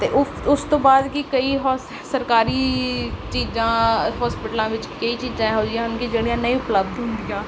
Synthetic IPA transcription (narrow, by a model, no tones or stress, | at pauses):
t̪eːʔʊ | ʊst̪õːbaːd̪kiːkəiːɦɔ | səɾkaːɾiːt͡ʃiːzãːɦɔːspɪʈəlãːʋɪt͡ʃkəiːt͡ʃiːzãːɦoːd͡ʒɪjãːʊnkiːd͡ʒeːɽijãːnəĩʊpləb̚d̪ɦʊ̃nd̪ɪjãː